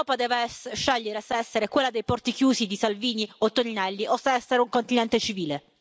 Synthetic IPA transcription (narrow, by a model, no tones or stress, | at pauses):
wɔːpad̪ɛːvesʃːɛʎːeɾesaɛsːeɾekwelːad̪ejpɔrt̪ik̟juːsid̪isalviːniot̪ːoninɛlːiʔosaɛsːeɾeuŋkont̪inɛnt̪et͡ʃiviːle